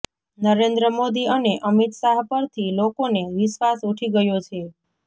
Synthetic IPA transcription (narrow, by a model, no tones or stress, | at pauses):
nəɾend̪ɾəmod̪iəneʔəmit̪saɦpəɾt̪ʰilokoneʋɪʃʋasuʈʰiɡəjot͡ʃʰe